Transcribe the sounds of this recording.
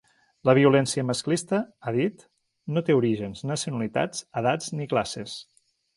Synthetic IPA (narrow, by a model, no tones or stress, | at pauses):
ləβ̞iulɛnsiəməsklist̪əaðit̪ | not̪euɾiʒənznəsiunəlit̪a̰d͡zəðad͡zniklases